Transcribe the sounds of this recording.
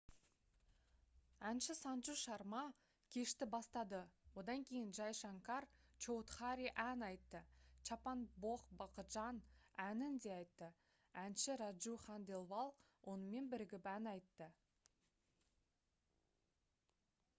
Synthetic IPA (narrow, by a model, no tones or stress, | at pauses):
ænʃɪsɑnʒuʃɑɾmɑ | kʲʰe̞ʃt̪ɪbɑst̪ɑd̪əwo̞d̪ɑŋkʲʰe̞jɪnʒɑjʃɑŋkɑrt͡ʃo̞wt̪χɑɾʲiʔænɑjt̪ːət͡ʃʰɑpɑnboqbɑqəʒɑnænɪnd̪e̞ɑjt̪ːə | ænʃɪɾɑʒuχɑnd̪e̞lˠvɑlˠ | wʔo̞nəme̞nbɪɾɪɡʲɪpænɑjt̪ːə